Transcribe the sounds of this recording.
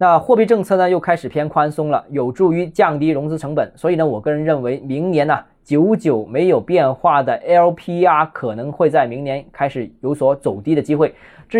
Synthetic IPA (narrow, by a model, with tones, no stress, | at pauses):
na˥˧xwɔ˥˧pi˥˧ʈ͡ʂɤ˥˧ŋt͡sʰɤ˥˩nə˩jo˥˩ʊkʰa˥ɪʂɻ̩˨˩pʰjɛ˥nkʰwa˥nsʊ˥ŋlə̰˨jo˨˩ʊʈ͡ʂu˥˩y˧˥t͡ɕjɑ˥˩ŋt̪i˥ɻʊ˧˥ŋt͡sɹ̩˥ʈ͡ʂʰɤ˧˥ŋpə˨˩˦nswɔ˧˥i˨˩nə˦wɔ˨˩kɤ˥˧ɻə˧˥nɻə˥˩nwe˧˥ɪmi˧˥ŋnjɛ˧˥nɐ˧ | t͡ɕjo˧˥ʊt͡ɕjo˨˩ʊme˧˥ɪjo˨˩ʊpjɛ˥˧nxwa˥˩d̪ə˩ʔɛ˥ə˥pʰi˥a˥˩kʰɤ˨˩nɤ˧˥ŋxwe˥˧ɪt͡sa˥˩ɪmi˧˥ŋnjɛ˧˥nkʰa˥ɪʂɻ̩˨˩jo˧˥ʊswɔ˧˥t͡so˨˩ʊt̪i˥d̪ə˨t͡ɕi˥xwe˥˩ɪ | ʈ͡ʂɻ̩˥